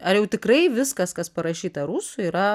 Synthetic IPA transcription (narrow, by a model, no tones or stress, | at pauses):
ɐjɛʊt̪ʲɪkrɐɪʋʲɪskɐskɐspɐɾɐʃʲiːt̪ɐɾusʊiːɾɐ